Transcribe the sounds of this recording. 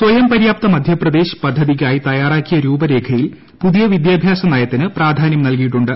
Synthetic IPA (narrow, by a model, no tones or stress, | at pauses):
swɐjɐmpɐɾjaːp̚t̪ɐmɐd̪ʱjɐprɐd̪e̞ːɕpɐd̪ʱːɐðiɣaːjit̪ɐjaːraːkːijɐɾuːbɐɾe̞ːkʰɐjil | puðijɐʋid̪jaːbʱjaːsɐnɐːjɐt̪ːinɨpraːd̪ʱaːnjɐmnɐlkijiʈːuɳɖɨ